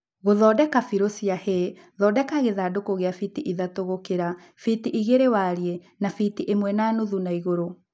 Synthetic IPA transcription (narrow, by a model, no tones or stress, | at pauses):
ɣoðɔːdɛkafiɾosiahe | ðɔdɛkaɣeðaːdokoɣeafitiʔiðatoɣokeɾa | fitiʔiɣeɾewaɾiɛ | nafitiʔemwɛnaːnuðunaiɣoɾo